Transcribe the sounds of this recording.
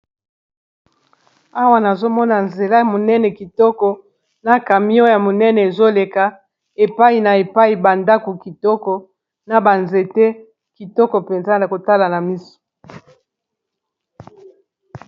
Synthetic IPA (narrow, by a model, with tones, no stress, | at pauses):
a˦wa˦na˨zo˦mɔ˦na˨nze˨la˦ja˨mo˨nɛ˦nɛ˨ki˨tɔ˦kɔ˨ | na˨ka˨mi˦ɔ˦ja˨mo˨nɛ˦nɛ˨e˨zo˦le˨ka˨ | e˨pa˦i˨na˨e˨pa˦i˨ba˨nda˦ko˨ki˨tɔ˦kɔ˨ | na˨ba˨nze˨te˦ | ki˨tɔ˦kɔ˨pe˨nza˦na˨ko˨ta˦la˨na˨mi˦so̥˨